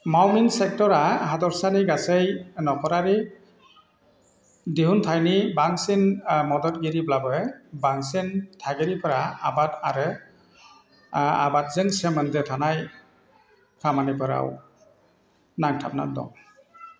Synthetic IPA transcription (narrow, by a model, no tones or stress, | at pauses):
mawmiŋsɛk̚tɔɾaɦadɔɹsaniɡasejnɔkʰɔɾaɾi | diɦuntʰajnibaŋsinmɔdɔt̚ɡiɾiblabɔɛbaŋsintʰaɡeɾipʰəɾaabataɾɯ | a̰bat̚zɯŋsɛməndɛtʰanaj | kʰamanipʰəɾa̰w | naŋtʰap̚na̰dɔ̰ŋ